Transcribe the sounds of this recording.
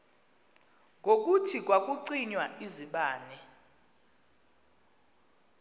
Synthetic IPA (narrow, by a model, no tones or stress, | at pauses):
ŋok̬utʰik̬ʼwak̬ʼuǀiɲwaiziɓaːnɛ